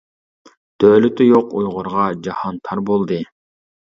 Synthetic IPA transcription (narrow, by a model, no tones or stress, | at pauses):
d̪̥øːlyt̪ʰyjoqujʁʊɾʁɑd͡ʒɑhɑnt̪ʰɑɾbolˠd̪ɨ